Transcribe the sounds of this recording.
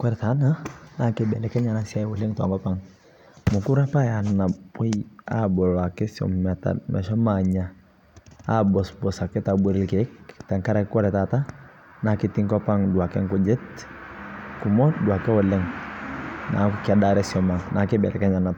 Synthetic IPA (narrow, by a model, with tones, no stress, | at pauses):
kwɛ˦ɾɛ˨ta˨˦na˦na˨kɪ˦bɛ˨lɛ˨kɛ˦ɲa˨na˦sia˦jwɔ˦le˦ŋta̰˨ŋkɔ˦pa˦ŋ | mʊ˨ku˦ɾa˦pa˦ja˨na˨be˦ja̰bɔ˨la˨kɪ˦sɔ̰˨mːɛ˨ta̰nʔa̰˨ʃɔ˦maɲa | a˦bɔ˨sbɔ˨sa˨kɛ˦ta˨bu˨ɾɪ˦lke˨˦kta˨ŋka˦ɾa˦kɪ˦kwɛ˦ɾɛ˨tata˦ | na˨kɪ˦ti˦ŋkɔ˦pa˦ŋdu˨a˨kɛ˦ŋkʊ˦d͡ʒe˦t | ku˨mɔ˦dwa˨kɛ˦wɔ˨lɛ˦ŋ | na̰˨kkɪa˨da˨ɾɛ˦sɔ˨ma˨ŋna˨kɪ˦bɛ̰˨lʔɛ̰˨kɛ˦ɲa˨na˨t